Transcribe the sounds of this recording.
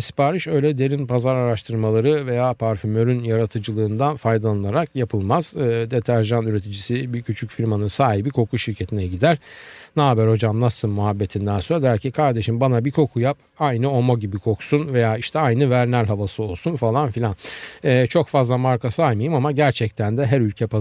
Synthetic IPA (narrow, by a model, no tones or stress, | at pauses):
ispaːɾiʃø̞jlʲɛd̪e̞ɾinpʰazaɾaɾaʃt̪ʰɯɾmalˠaɾɯve̞jaːpʰaɾfymø̞ɾynjaɾat̪ʰɯd͡ʒɯlˠɯːnd̪anfajd̪alaɯlˠaɾakjapʰɯlˠmaz̥ɯːd̪e̞t̪ʰæɾʒanyɾe̞t̪ʰid͡ʒisibicʰyt͡ʃʰycfiɾmanɯsaːɦibikʰo̞kʰuʃiɾcʰe̞t̪ʰinɛɟid̪æɾnaːbæɾho̞d͡ʒamnasɯnmuɦabːe̞t̪ʰind̪ænsoɾd̪æɾcʰikʰaɾd̪e̞ʃimbanabikʰo̞kʰujap | ajnɯo̞moɟibikʰo̞ksunve̞jaːiʃt̪ʰɛajnɯvæɾnæɾʲɦavasɯo̞lˠsunfalˠanfilʲanɛːt͡ʃʰo̞kfazlˠamaɾkasajmajɯmamaɟæɾt͡ʃʰɛc̚t̪ʰænd̪ɛɦæɾylʲcʰɛpa